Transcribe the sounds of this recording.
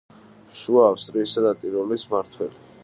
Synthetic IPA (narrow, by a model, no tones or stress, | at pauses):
ʃuaːfst̪ʼɾiːsad̪at̪ʼiɾɔlismaɾt̪ʰwɛli